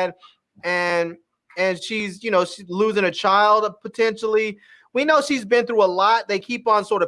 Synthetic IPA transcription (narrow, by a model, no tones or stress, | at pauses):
d̚ | ɨ̃n | ɨ̃nʃizjɨnoʊʃiluzɪ̃ŋɨt͡ʃʰaɪlˠd̚pʰətʰɛ̃nʃl̩ˠi | winoʊʃizbɨ̃nθɹuəlɔt̪̚ðeɪkʰipn̩sɔɹɾʌ